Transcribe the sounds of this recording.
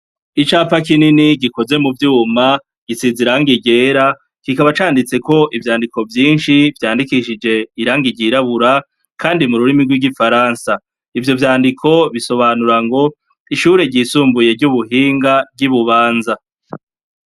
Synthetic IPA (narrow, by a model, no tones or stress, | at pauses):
it͡ʃaːpakininiɡiko̞ze̞muvjuːma | ɡ̥isiziɾaŋɡiɟe̞ːɾa | kikaβat͡ʃaːndit͡se̞ko̞ʔivjaːndiko̞vjiːnʃivjaːndikiʃid͡ʒe̞iɾaːŋɡiɟiɾaβuɾa | kʰaːndimuɾuɾimiɡwiɡifaɾaːnsa | ivjo̞vjaːndikʰo̞βiso̞βanuɾaŋɡo̞ | iʃuːɾe̞ɟiːsuːmbuje̞vɟuβuɦiːŋɡavɡiβuβaːnza